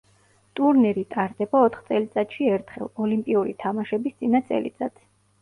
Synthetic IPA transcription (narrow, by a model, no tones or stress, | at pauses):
t̪ʼuɾnɛɾit̪ʼaɾd̪ɛbaɔt̪ʰχt̪sʼɛlit̪sʼat̪ʃiɛɾt̪ʰχɛ̰lˠɔlimpʼiuɾḭt̪ʰamaʃɛbist̪sʼinat̪sʼɛ̰lḭt̪sʼat̪